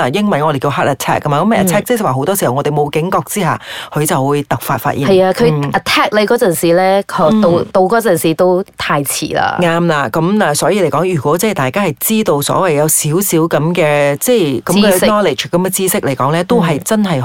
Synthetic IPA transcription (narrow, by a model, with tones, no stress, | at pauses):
a˨jɪ˥ŋmɐ˨njŋɔː˨˧ɾe˨˩jki˧ɦaː˥t̚ɐ˨˩tʰɛ̰ː˥kːɐ˥maː˨kɐ˨˥mɐ˨˩ʔɐ˨t̪ʰɛː˥k̚t͡sswaː˨˩ɦo˧wt̪ɔː˥si˨˩hɐ˨wŋɔː˨˧t̪e˨jmo˨˧wkɪ˨˥ŋkɔː˧k̚t͡siː˥ha̰ː˨kʰɵ˨˧ɥt͡sɐ˨˩wwuː˨˧jt̪ɐ˨˩k̚fa̰ː˧t̚fa̰ː˧t̚ʔiː˨˧ɐ˨jaː˧kʰɵ˨˧jɐ˨˩t̪ʰɛː˥k̚le˨˧kɔː˨˧˥t͡sɐ˨˩nsiː˨lɛː˥kʰɔ˨˥t̪o˧wt̪o˧wkɔː˨˥t͡sɐ˨nsiː˨˩t̪o˥wt̪ʰaː˧jt͡sʰḭː˨˩la̰ː˧ŋaː˧mlaː˧kɐ˨˥mlaː˨˩sɔː˨˥jiː˧le˨˩jkɔː˨˥ŋjyː˨˩kʷɔː˨˥t͡sɛː˥˩t̪aː˨jkaː˥hɐ˨˩jt͡siː˥t̪o˧wsɔ̰ː˨˥wɐ˨jːɐ˨˧wsiː˨˥wsiː˨˥wkɐ˨˧˥mkɛː˧t͡sɛː˥˧˩jkɐ˨˦kɛ˧nɔː˥le˨˩t͡ʃkɐ˨˦mkɛ˧t͡siː˥sɪ˥k̚le˨˩jkɔː˨˥ŋlɛː˥t̪o˥wɦɐ˨˩jt͡sɐ˥nɦɐ˨˩j